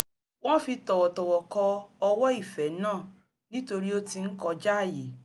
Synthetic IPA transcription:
w̃ɔ̃˦fi˧tɔ˨wɔ˨tɔ˨wɔ˨kɔ˧ɔ˧wɔ˦i˦˨fɛ˨˦nãː˦˨ | nĩ˦to˧ɾi˦o˦ti˧n̩˦kɔ˧d͡ʒa˦a˦˨je˨

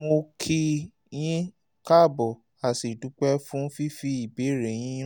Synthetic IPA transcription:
mo˧kʰi˧ | j̃ĩ˦ | ka˦˨bɔ˨ | a˨si˨du˨˦k͡pɛ˦fũ˦fi˦fi˦i˨be˨˦ɾe˨j̃ĩ˦

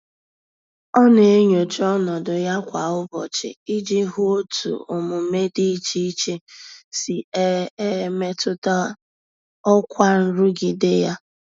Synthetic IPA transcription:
ɔ˦ne˨e˦ɲo˨t͡ʃɔ˦nɔ˨dʊ˨ja˦kʷa˨ʊ˦bɔ̰˨t͡ʃɪ̰˨i˦d͡ʒe˦ɦu˦o˦tʰṵ˨ʊ˨mʊ˨˦me˦di˦i˦t͡ʃi˦i˦t͡ʃe˦si˨e˦e˦me˦tʊ˦ta˦ | ɔ˦kʷa˦n̩˦ɾu˦ɡi˨dɪ˦ja˦

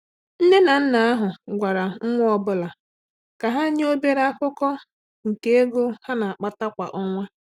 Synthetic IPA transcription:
n̩˦ne˦na˨n̩˦na˨a˦ɦʊ˨ɡʷa˨ɾa˨ŋ̩˦ŋʷʊ˦ɔ˦bʊ˦la˨ | ka˨ɦa˦ɲ˦o˦be˦ɾa˦kʊ˦kɔ˦ | ŋ̩˨ke˦e˦ɡo˦ha˦na˨a˨k͡pa˦ta˦kʷa̰˨ʔɔ˦ŋʷa˦

